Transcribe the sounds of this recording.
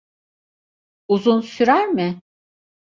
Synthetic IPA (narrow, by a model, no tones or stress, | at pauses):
uzunsyɾæɾmɪ